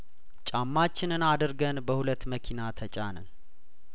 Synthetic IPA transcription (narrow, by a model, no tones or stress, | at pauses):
t͡ʃʼamːat͡ʃːɪnɨnad̪ɨɾɡənbəhulət̪ːməkʰinat̪ʰət͡ʃʼanə̰n